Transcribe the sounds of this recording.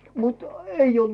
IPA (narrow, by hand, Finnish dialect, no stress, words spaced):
mut eij old̥